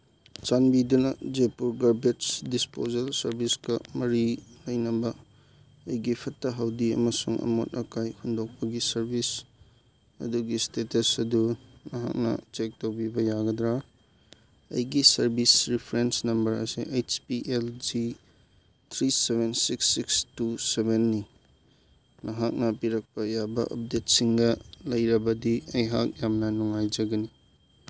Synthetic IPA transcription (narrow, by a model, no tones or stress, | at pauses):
t͡ʃanbidunɐd͡ʒepuɾɡaɾbetsdispozɐlsɐɾbiskɐmɐɾilɐjnɐbɐː | jɡipʰɐtːɐɦɐwdiɐ̰mɐsuŋɐ̰mo̰t̚ʔɐ̰kajkʰundok̚pɐɡisɐɾbis | ɐ̰duɡistetɐsɐdunɐɦa̰k̚nɐ̰t͡ʃek̚towbibɐjaɡɐdɾa | ɐ̰jɡisɐɾbisɾipʰɾensnɐmbɐɾɐ̰siʔejt͡ʃpiʔeld͡ʒi | t̪ʰɾiseβensiksːikstusebenːi | nʔɐɦak̚nɐpiɾɐk̚pɐjabɐ̰ʔɐ̰p̚det̚siŋɡɐlɐjɾɐbɐdiɐjɦa̰k̚jamnɐnuŋajd͡ʒɐɡɐni